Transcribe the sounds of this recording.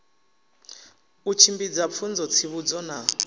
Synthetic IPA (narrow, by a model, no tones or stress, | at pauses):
ut͡ʃʰimbid͡zap̪fʰund͡zɔt͡sʰiβud͡zɔna